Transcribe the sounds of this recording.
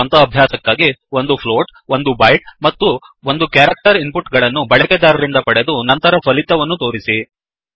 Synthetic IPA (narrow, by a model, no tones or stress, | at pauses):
ɐnt̪ɐːbʱjaːsɐkːaːɡio̞nd̪upʰloːʈo̞nd̪ubɐjʈ̚mɐt̪ːu | ond̪ukjaːɾɐk̚ʈɐɾimpuʈɡɐɭɐnːubɐɭɛkɛd̪aːɾɐɾind̪ɐpɐɽe̞d̪unɐnt̪ɐɾɐpʰɐlit̪ːɐʋɐnːut̪o̞ːɾisi